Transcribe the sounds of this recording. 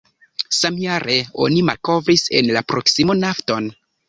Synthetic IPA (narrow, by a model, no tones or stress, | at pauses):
samjaɾe̞o̞̰nimalko̞vɾise̞̰nlapɾo̞ksimonafto̞n